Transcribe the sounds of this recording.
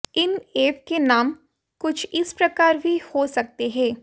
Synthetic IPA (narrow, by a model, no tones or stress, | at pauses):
ɪneːp̚kenaːm | kʊt͡ʃʰɪspɾɐkaːɾbʱihoːsɐk̚t̪eɦɛ̃ː